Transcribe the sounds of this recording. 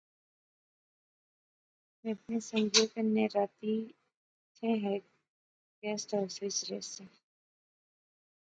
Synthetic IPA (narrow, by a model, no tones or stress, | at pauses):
mɛ̃ɐpnesə̃ŋɡʱoːkeneɾaːt̪i | t̪ʰẽɦɛ | ɡɛːsʈɔːɾsʋɪsɾḛːsẽ